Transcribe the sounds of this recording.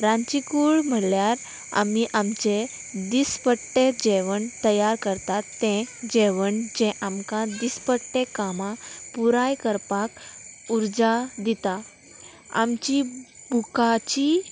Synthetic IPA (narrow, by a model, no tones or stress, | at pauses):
ɾãt͡ɕikuɭm̤əlljaɾ | a̰miʔamt͡ɕe | d̪ispəʈːed͡ʑeʋəɳt̪əjaɾkəɾt̪at̪ːẽd͡ʑeʋəɳd͡ʑɛ̃ʔamkãd̪ispəʈːekamapuɾajkəɾpakuɾd͡zad̪it̪a | a̰mt͡ɕibʱukat͡ɕi